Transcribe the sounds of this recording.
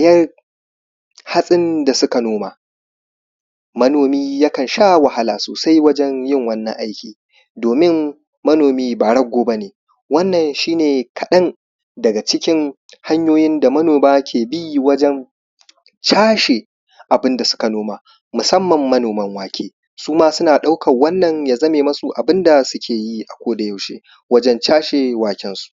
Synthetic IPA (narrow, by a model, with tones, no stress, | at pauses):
a˨jɐ˦r | ha˦sʼɪ˦nda˨sʊ˦ka˨noː˦ma˨ | mɐ˦noː˨miː˦ja˦kɐ˨nʃaː˦wɐ˨ɦa˦laː˨soː˨sa˦jwɐ˦d͡ʒɛ˦njɪ˦˨ŋwɐ˦nːɐ̰˨ŋʔa˦jkʲʰiː˨ | doː˨mɪ˦mː | ɐ˦noː˨miː˦baː˨ɽɐ˦ɡʷːoː˦ba˦neː˨ | wɐ˦nːɐ˨nʃiː˦neː˨kʰɐ˨ɗɐ˦n | dɐ˨ɡa˨t͡ʃɪ˦kʲɪ˦ŋ | ha˦ɲjoː˦jɪ˦nda˨mɐ˦noː˨maː˦kʲʰeː˨bi˦˨wɐ˦d͡ʒɛ˦n | t͡ʃaː˦ʃe˨ | ʔa˨bɪ˦nda˨sʊ̥˦ka˨noː˦maː˦ | mʊ˨sɐ˦mːɐ˨mːɐ˦noː˨mɐ˦ŋwaː˨kʲʰeː˦ | suː˦maː˦sʊ˦naː˨ɗa˦wkɐ˨wɐ˦nːɐ˨ɲja˨zɐ˦meː˨mɐ˦su˨ʔa˨bɪ˦nda˨sʊ˦kʲʰeː˨ji˦ʔa˨kʷoː˦da˨ja˨wʃḛː˦ | wɐ˦d͡ʒɛ˦nt͡ʃaː˦ʃe˨waː˨kʲɪ˦nsu̥˨ʔ